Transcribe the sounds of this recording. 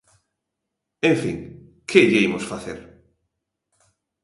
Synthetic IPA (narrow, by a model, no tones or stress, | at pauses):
ẽɱfḭ̃ŋkʰeʎeimosfaθeɾ